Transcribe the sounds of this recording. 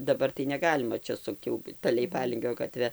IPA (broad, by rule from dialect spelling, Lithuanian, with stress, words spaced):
dɐˈbɐr tɐɪ nʲɛˈɡɑːlʲɪmɐ ˈt͡ʃʲɛ ˈsʊkt jɛʊ ˈtɐ lʲɛɪˈpɑːlʲɪŋʲɡʲoː ɡɐˈtʲʋʲɛ